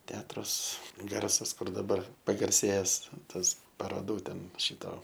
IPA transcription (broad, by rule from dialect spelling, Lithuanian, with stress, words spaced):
ˈtʲɛɐtrʊs ˈɡɐrsɐs ˈkʊr dɐˈbɐr pɐɡɐrʲˈsʲeːjɛs ˈtɐs pɐroːˈduː ˈtʲɛn ˈʃʲɪtoː